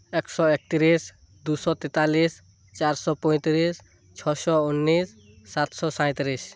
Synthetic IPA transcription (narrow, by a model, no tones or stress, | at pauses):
eksɔek̚t̪iɾis | d̪usɔt̪it̪alis | t͡ʃaɾsɔpɔ̃j̃t̪ɾis | t͡ʃʰɔsɔunːisː | at̪sɔsaj̃t̪ɾis